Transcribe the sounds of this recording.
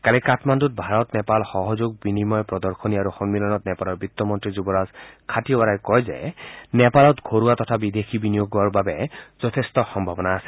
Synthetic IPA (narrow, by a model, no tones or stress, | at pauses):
kaɹɛkatmandut̚bʱaɹɔt̪nɛpalxɔɦɔzoɡ̚binimɔjpɹɔd̪ɔɹkʰɔniaɾuxɔŋmilɔnɔt̪nɛpalɔɹbit̪ːɔmɔntɹizubɔɹazkʰatiɔbaɾajkɔjzɛ̰nɛpalɔt̪ɡʱoɹuat̪ɔt̪ʰabid̪exʰibinijoɡaɹbabɛzɔt̪ʰestɔxɔmbʱabɔnaːsɛ̥